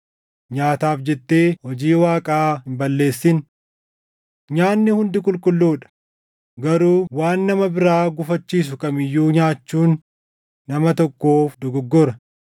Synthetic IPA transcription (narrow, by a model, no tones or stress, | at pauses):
ɲaːt̪aːfd͡ʒɛt̪ːeːhɔd͡ʒiːwaːkʼaːhɪmbɐlːe̞ːsːɪn | ɲaːnːɪhʊnd̪ɪkʼʊlkʼʊlːuːᶑɐ̥ | ɡɐɾuːwaːnːɐmɐbɪɾaːɡʊfɐt͡ʃːiːs̬ʊkʼɐmɪjːuːɲaːt͡ʃːuːnː | ɐmɐt̪ɔkːoːfd̪ɔɡɔɡːɔɾɐ